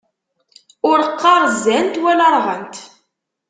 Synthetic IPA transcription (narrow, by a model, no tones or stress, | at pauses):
ʊɾəqːɑɾˤzːænt̪wælɑɾˤʁənt̪